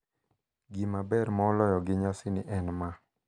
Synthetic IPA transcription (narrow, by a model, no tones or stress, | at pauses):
ɡimabɛɾmɔːlɔjɔɡɪɲasɪnɪʔɛnma